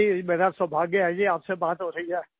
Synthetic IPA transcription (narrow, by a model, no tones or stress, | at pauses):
imeːɾasəbʱaːɡiad͡ʒiaːpsebaːt̪ɦoɾɐɦiɦɛː